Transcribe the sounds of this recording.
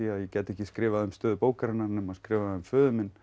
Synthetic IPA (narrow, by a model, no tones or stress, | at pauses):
iajɛcɛːt̪ɛhcːɪskɾɪːvaðʏmst̪œːðʏpoːwkaɾɪnːaɾnʏmaskɾɪːvaðʏmfʏːðʏmɪn